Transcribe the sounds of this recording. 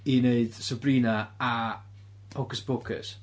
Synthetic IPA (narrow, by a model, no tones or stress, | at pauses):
ineɨd̥səbriːnaa | ɔɡəsb̥ʊkʰə̰s